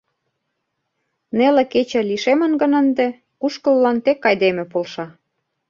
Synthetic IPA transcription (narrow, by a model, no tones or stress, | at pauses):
nelĕket͡ɕĕliʃemə̆nɡə̆nə̆nd̪ĕ | kuʃkə̆lːɑnt̪ekːɑjd̪emĕpolʃɑ